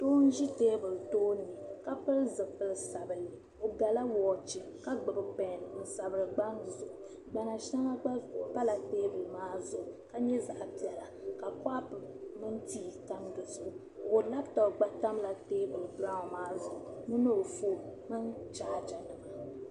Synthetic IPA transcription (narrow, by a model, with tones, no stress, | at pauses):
toː˦n̩˦ʒi˦teː˦bɨ˨ltoː˦nɨ˨ka˦pɨ˦lzɨ˨pɨ˦lsa˨bɨ˨nɨ˨ | o˨ɡa˨la˦wɔː˨t͡ʃi˨ | ka˦ɡ͡bɨ˨bɨ˨pɛ˨nn̩˨sa˨bɨ˨ɾɨ˨ɡ͡ba˦nzʊ˨ʔʊ˨ | ɡ͡ba˨na˨ʃa˦ŋa˦ɡ͡ba˦˨pa˦la˨teː˦bɨ˨lɨ˨maː˦zʊ˨ʔka˦ɲɛ˦za˨ʔpi˨ɛ˨la˨ka˨ka˦pɨ˨mɨ˦ntiː˦ta˦mdʊ˨sʊ˦˨ | o˨la˦btɔ˨ɡ͡ba˦ta˦mla˨teː˦bɨ˨lba˦˨maː˦zʊ˨ʔʊ˨nɨ˦no˦˨fo˦˨mɨ˦nt͡ʃaː˦d͡ʒa˨nɨ˨ma˨